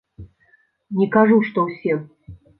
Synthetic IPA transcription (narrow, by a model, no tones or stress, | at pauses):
nʲɛkaʐuʂt̪ɔwsʲɛ